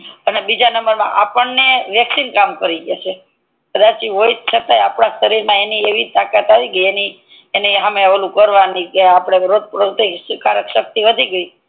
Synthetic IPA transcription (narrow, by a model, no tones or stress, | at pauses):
ənebid͡ʒanəmbəɾmã̰ʔapəɳneʋjəksinkamkəɾiɡjat͡ʃʰe | kəd̪at͡ʃiʋoit̪t͡ʃʰət̪ajapɳãʃəɾiɾmãenieʋit̪akat̪aʋiɡəieni | eniɦameaʋəlũkəɾʋanikeapɽ̃eʋɾod̪̚ʱpɾot̪eskaɾəkʃək̚t̪iʋəd̪ʱiɡəi